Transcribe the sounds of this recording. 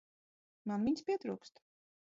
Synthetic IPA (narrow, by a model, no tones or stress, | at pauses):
manvʲiɲʲspʲiɛt̪ɾuːkst̪